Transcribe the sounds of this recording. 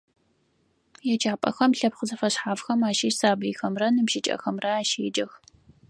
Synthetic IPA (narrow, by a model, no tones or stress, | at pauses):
jɛt͡ʃʰʼaːpʼɐ̰xɐmɬɐbχəzɐfɐɕħaːvxɐmaːʃiːsaːbɨjxɐmrɐnɨpʃɪt͡ʃʼɐ̰xɐmrɐaːʃeːd͡ʒɐx